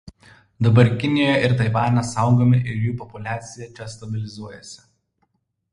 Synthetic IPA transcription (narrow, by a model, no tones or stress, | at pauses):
d̪ɐbɐɾʲkʲɪnʲɪjoːjɛɪɾt̪ɐɪʋɑːnʲɛsɑˑʊɡoːmʲɪʔɪɾjuːpɔpʊlʲæːt̪sʲɪjɛt͡ʃʲɛst̪ɐbʲɪlʲɪzuɔjɛsʲɪ̥